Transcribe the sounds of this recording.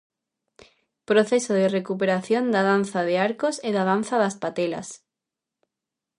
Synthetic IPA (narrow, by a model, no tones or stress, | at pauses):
pɾoθesoðerekup̬eɾaθjond̪aðan̟θaðeaɾkoseðaðan̟θaðaspat̪ela̰s